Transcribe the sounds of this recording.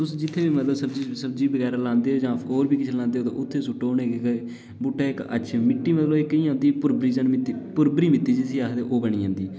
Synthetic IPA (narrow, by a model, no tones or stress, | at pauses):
t̪ʊsd͡ʒɪt̪ʰːeːbiːmət̪ləsəbd͡ʒiːsəb̚d͡ʒiːbəɡɛːɾaːlãːnd̪eːɦoːd͡ʒãːoːɾbiːkɪt͡ʃʰelãːnd̪eːoːt̪ːʔʊt̪ʰːeːsʊʈːoːneːkekː | bʊʈʰːaːɪkə̰ʃʰeːmɪʈːiːmət̪ləbɪkĩːãːnd̪iːpʊɾbɾiːzənmɪt̪ːiːpʊɾbɾiːmɪt̪ːiːd͡ʒisiːakd̪eːʔoːbəɳ̃iːɦãːnd̪iː